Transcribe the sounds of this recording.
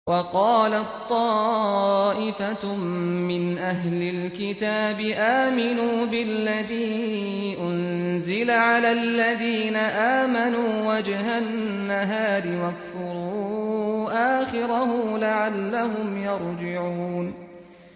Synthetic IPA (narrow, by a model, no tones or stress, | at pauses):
wɑqɑːlat̪ˤːɑː | ʔɪfa | mɪnʔaɦlɪlkɪt̪aːbɪʔaːmɪnuːbɪlːaðiː | ʔʊn | zɪlaʕalaːlːaðiːnaʔaːmanuːwad͡ʒɦanː | aɦaːɾɪwakθʊɾuːʔaːxɪɾahʊlaʕalːaɦʊmjɑɾˤd͡ʒɪʕuuːn